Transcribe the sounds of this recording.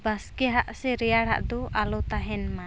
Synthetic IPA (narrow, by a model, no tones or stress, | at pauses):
baskiɦaʔsiɾiaɽa̰ʔd̪uʔalut̪aɦɛnma